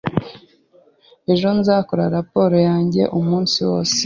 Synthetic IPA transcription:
e̞ʒo̞nzaːkoɾaɾapo̞ːɾojaːɲɟe̞̰ʔumuːnsiwo̞ːs

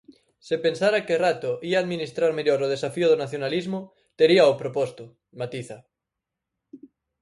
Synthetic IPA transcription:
sepensaɾakerat̪ʊʔiaːðminist̪ɾaɾmeʎoɾoð̞esafioð̞onaθjonalizmʊ | t̪eɾiaopɾopɔst̪ʊ | mat̪iθa

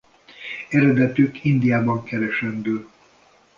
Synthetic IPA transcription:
ɛɾɛd̪ɛt̪ykʰind̪ijaːbɒŋkɛɾɛʃɛnd̪øː

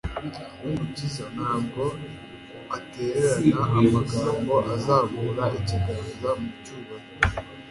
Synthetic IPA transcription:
unucizanaːŋɡo | ateːɾeɾanaamakaŋɡoʔazaːβuɾaʔecikuzamucuβa

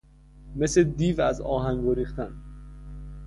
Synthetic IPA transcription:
mesled̪iːvæzɒ̰ːhæŋɡɡoɾiːχt̪æn

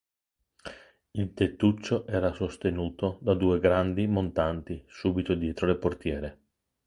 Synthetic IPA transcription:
ilt̪et̪ːut͡ʃːoʔɛːɾasost̪enuːt̪od̪ad̪uːeɡɾand̪imont̪ant̪isuːbit̪od̪jɛːt̪ɾoleport̪jɛːɾe

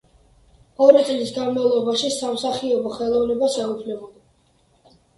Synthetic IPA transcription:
ɔɾit̪sʼlisɡanmavlˠɔbaʃisamsaχiɔbɔχɛlˠɔvnɛbasɛupʰlɛbɔd̪

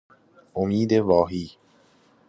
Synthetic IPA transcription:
ʔomiːd̪evɒːɦiː

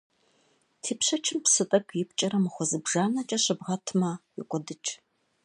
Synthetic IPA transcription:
tʰiːpɕɐt͡ʃʰɪmpsɨtʼɐkʰʼjɪpʰt͡ʃʼɐɾɐmɨχʷɔzɨbʒaːnɐt͡ʃʼɐɕʼɐbʁɐtʰmɐjɪ̰kʷʼɔdɨt͡ʃʼ

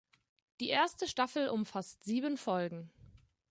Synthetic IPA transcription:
d̥iːʔeːɐstəʃtafl̩ʔʊmfastz̥iːbənfɔlɡŋ̩

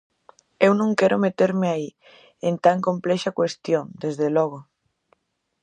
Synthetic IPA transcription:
ewnõŋkɛɾʔʊmet̪eɾmeai | ent̪aŋkomplɛʃakwest̪joŋd̪ezðelɔɣo

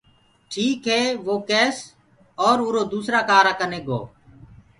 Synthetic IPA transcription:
ʈʰiːkɦeːʋoːkɛːs | ɔːɾʊːɾoːd̪uːsɾaːkaːɾaːkəneːɡo̰ː

